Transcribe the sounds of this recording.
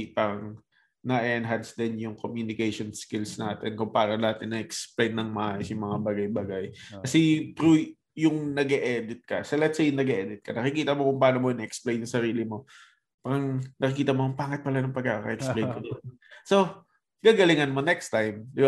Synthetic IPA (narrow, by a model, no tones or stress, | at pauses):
pɐŋ | nɐʔɛʔɛnɦansd̪ɛnjʊŋkomjunɪkejʃonskɪlsnaːt̪ɪnkʊŋpaːnonat̪ɪnːɐʔɛksplejnːɐŋmɐʔaːjosjʊŋmɐŋabaɡajbaɡajkɐsɛpɾu | jʊŋnɐɡɛʔɛd̪ɪt̪̚kɐ̰solɛt̪sejʊŋnɐɡɛʔɛd̪ɪt̪̚kʰɐnɐkɪkiːt̪ɐmokʊŋpaːnomonɐʔɛksplejnʊŋsɐɾiːlɪmo̞ | paːɾɐŋnɐkɪk̬iːt̪ɐmonɐŋpaːŋɪt̪̚pɐlanɐŋpɐɡ̚kakɐ̰ʔɛkslejnkɐd̪ɐ | so̞ | ɡ̥aːɡɐlɪŋɐnmo̞nɛkst̪ajmd̪ɪba